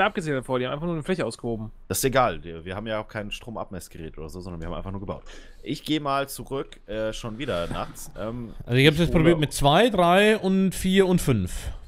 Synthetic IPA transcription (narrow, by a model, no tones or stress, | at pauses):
ʔap̚ɡ̥əzeːçtəfoːɐihamaɪfaxnuːɐnəflɛçəʔaʊsɡ̥əhoːbm̩d̥asɪstjaʔeɡaːlviːɐhaːbm̩jaaʊxkʰaɪnʃtʁ̥oːmʔa̰p̚mɛsɡ̥əʁɛ̰ːtʔoːdɐzoːzɔndɐniːɐhamaɪnfaχnuɐɡəba̰ʊt | ʔɪçɡ̥eːəmaːlt͡suʁʏk | ʔɛːʃoːnviːdɐna̰χt͡sʔɛːmʔalzoɪçhaːpsjɛt͡spʁobiːɐtmɪt̚t͡sv̥aɪdʁaɪʊntfiːɐʊntfʏnf